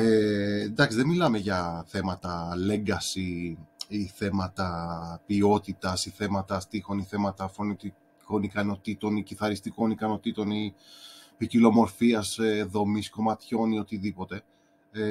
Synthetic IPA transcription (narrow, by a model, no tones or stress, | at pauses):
end̪ɐksiðemilɐme̞ʝɐθe̞mɐt̪ɐle̞ŋɡɐsi | iθe̞mɐt̪ɐpio̞t̪it̪ɐsiθe̞mɐt̪ɐst̪ixo̞niθe̞mɐt̪ɐfo̞nit̪i | ko̞nikɐno̞t̪it̪o̞niciθɐɾist̪iko̞nikɐno̞t̪it̪o̞ni | picilo̞mo̞ɾfiɐseðo̞misko̞mɐt̪ço̞nio̞t̪iðipo̞t̪e̞